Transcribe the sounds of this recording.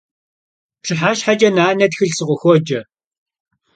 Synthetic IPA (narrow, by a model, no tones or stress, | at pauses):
pɬʰɨħaːɕħad͡ʒʼɐnaːnɐtxɨɮsɨʁʷɔxʷɔd͡ʒɐ